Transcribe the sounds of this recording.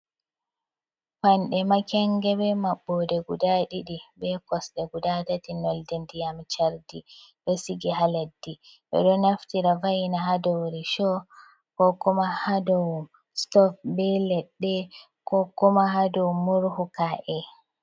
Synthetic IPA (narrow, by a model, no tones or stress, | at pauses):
panɗɛmakɛŋɡɛbɛmaɓːɔdɛɡudaɗiɗibɛkɔsɗɛɡudatatinɔldɛndijamt͡ʃaɾdiɗɔsiɡiɦaladːiɓɛ̰ɗɔnaftiɾavajnaɦadɔwɾiʃɔ | kɔkumahadɔw | stɔfbɛlɛɗːɛ | kɔkumahadɔwmuɾhukaʔɛ